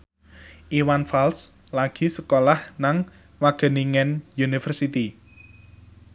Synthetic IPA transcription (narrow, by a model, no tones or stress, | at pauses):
ʔiwanfalslaɡ̥i̤səkolahnaŋ | waɡ̥ə̤niŋɛnjunifərsit̪i